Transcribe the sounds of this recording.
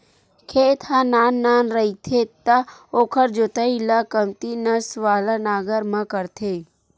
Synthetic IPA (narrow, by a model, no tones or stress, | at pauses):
kʰeːt̪ʰhãnaːnːaːnɾɐit̪ʰet̪ɐoːkʰəɾd͡ʒot̪əilakɐmt̪inɐsʋaːlanaːɡəɾmãkəɾt̪ʰeː